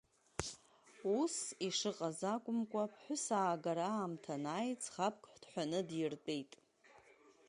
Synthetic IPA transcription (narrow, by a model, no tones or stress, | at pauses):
usiʂɨqʼazakʷʼʊmkʷʼapʰħʷʊsaːɡaɾaːmtʰanaːjt͡sʰʼχap̚ʰkʰʼħʷd̥ħʷᶣanɨdjɪrtʼejtʼ